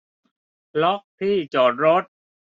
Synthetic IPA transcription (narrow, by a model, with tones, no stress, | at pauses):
lɔ˦˥ʔ̚p̪ʰiː˥˩t͡ɕɔː˨˩t̪̚ɾo˦˥t̪̚